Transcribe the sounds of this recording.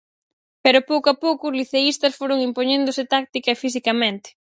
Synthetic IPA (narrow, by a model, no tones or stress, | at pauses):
pɛɾʊpowkoapowkʊːzliθeist̪ɐsfoɾoŋimpoɲẽnd̪ʊsɪt̪ak̚t̪ikɐefis̬ikɐmẽnt̪ɪ̥